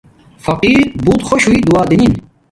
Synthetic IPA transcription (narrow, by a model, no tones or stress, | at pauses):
fɐqiːɾbuːt̪xoɕuid̪uaːd̪inin